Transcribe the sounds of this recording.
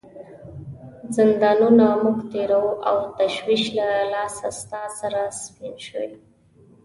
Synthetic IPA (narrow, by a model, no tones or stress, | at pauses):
zɪnd̪ɑnunamʊɡt̪eɾawuʔawt̪aʃwiʃlalɑsast̪ɑsaɾaspinʃəwḛ